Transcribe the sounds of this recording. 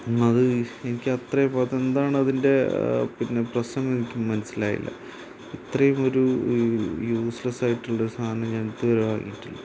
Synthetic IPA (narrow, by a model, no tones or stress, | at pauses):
ɐðɨe̞nikʲːɨɐt̪rɐjumɐðe̞nd̪aːɳɨɐðinde̞pinːe̞prɐɕnɐme̞nikʲːummːɐnɐsːila̰ːjḭlːɐ̰ | it̪rɐjumo̞ɾu | juːslɐsaːjiʈːuɭːɐɾust̪ʰaːnɐmɲanit̪ːɨʋɐɾuʋa̰ːŋḭːiʈːilːɐ